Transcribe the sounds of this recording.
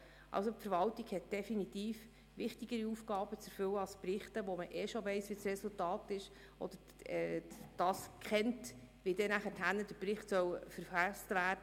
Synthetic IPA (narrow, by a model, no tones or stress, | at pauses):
ʔɑ̰lsopfəɾʋɑltiɡhɛt̚d̥ɛfinitiːf | ʋɪχtiɡəɾiufɡɑːb̥ət͡sɛɾfʏwəɑsprɪχtəʋɔməʔɛʃoʋɛɪsʋisrɛsultɑːtɪʃ | ʔɔ̰d̪əɾ | ɛːd̥ɑːskχɛnt | ʋidɛnæχəthænːəd̥əɾprɪχtsœwfəɾfæstvæːɾd̥ə